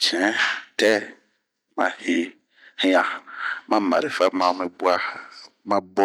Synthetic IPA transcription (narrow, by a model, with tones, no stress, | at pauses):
t͡ʃɛ̃˨˦tɛ˦ | mã̰˨he˨ | hĩ˦ã˨mã˦ma̰˨ɾi˨fa˦mã˨˦mẽ˨bu˦a˦ | mã˦bɔ̃˦